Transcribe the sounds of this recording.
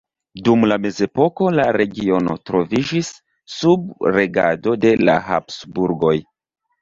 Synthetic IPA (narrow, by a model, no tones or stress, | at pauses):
dumlame̞ze̞po̞ko̞laɾe̞ɡio̞no̞̰tɾo̞vid͡ʒisː | ub̚ɾe̞ɡa̰do̞de̞la̰ha̰psbuɾɡo̞j